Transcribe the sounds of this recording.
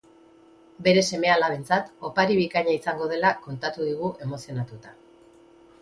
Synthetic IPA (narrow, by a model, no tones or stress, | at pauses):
be̞ɾe̞se̞me̞alaβe̞nt͡sat̪o̞paɾiβikaɲaisaŋɡo̞ð̞e̞lako̞nt̪at̪uðiɣ̞uʔe̞mo̞sio̞nat̪ut̪a